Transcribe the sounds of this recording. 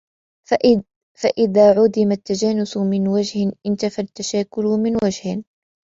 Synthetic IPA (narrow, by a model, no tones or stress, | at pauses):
faʔɪðaːʕʊd̪ɪmat̪ːad͡ʒaːnʊsmɪnwad͡ʒhɪnʔɪnt̪afat̪ːaʃaːkʊlmɪnwad͡ʒhɪ